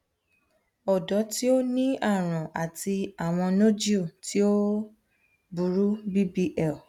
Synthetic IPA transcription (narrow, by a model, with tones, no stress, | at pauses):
ɔ˨dɔ˨˦ti˦o˦nĩ˦a˦˨ɾ̃ã˨ʔa˨tʰi˧a˨w̃ɔ̃˧no˦d͡ʒi˦o˦˨ti˦o˦ | bu˨ɾu˦bi˦bi˦ʔɛ˦˨